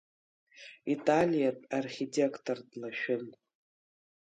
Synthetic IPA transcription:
itʼalʲjatʼarχʲitʰʼekʰtʰordlaʃᶣɪn

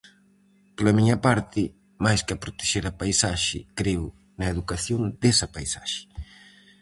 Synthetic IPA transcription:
plɐmiɲɐpaɾt̪ɪ | majskapɾot̪e̥ʃeɾɐpajsaʃɪ̰kɾew | nɐeðukaθjond̪ɛsɐpajsaʃɪ̥

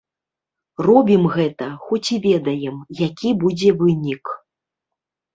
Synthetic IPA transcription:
rɔbʲimɣɛt̪ɐxɔt͡sʲivʲɛd̪ɐjɛmjakʲibud͡zʲɛvɨnʲik

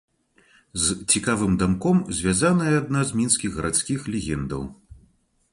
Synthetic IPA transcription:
zt͡sʲikavɨmd̪amkɔmzʲvʲazanɐjɛːd̪nazmʲinsʲkʲiɣɣɐɾʔat̪sʲkʲixlʲɛɣʲɛnd̪ɐ̰w

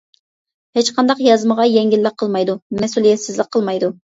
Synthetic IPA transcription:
het͡ʃqʰɑnd̪ɑqjɑzməʁɑjɛŋɡʲilːɪq̚ʰəlˠmɑjd̪umɛsulˠijɛt̪sɪzlɪk̚qʰːəlˠmɑjd̪u

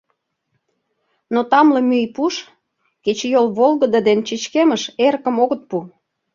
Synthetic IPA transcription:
not̪ɑmlɤ̆myjpuʃ | ket͡ɕjolβolˠɣə̆d̪əd̪ent͡ɕit͡ɕkeməʃerkə̆moɣət̪̚pu

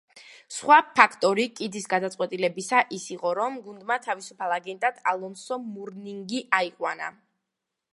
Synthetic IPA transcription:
sχwapʰakʰt̪ʼɔɾikʼid̪isɡad̪at̪sʼwɛt̪ʼilɛbisaʔisiqʼɔɾɔmɡund̪mat̪ʰavisupʰalˠaɡɛnt̪ʼad̪̥alˠɔnsɔmuɾniŋɡiʔaiqʼwana̰

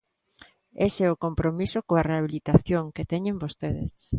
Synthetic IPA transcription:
esɛʊkompɾomisokoareaβ̞ilit̪aθjoŋket̪ɛɲẽmbost̪eðḛs

